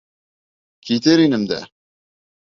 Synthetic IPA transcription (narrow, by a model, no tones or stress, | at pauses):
kʲʰit̪eɾinɘmd̪æ̰